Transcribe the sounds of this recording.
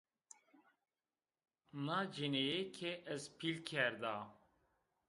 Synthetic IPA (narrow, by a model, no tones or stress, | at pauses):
naːd͡ʒinejekʰeʔɛzpʰilkʰɛɾd̪aː